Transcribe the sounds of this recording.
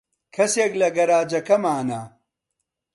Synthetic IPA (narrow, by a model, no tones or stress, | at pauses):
kʰɐseːklɐɡɐɾaːd͡ʒɐkɐmaːna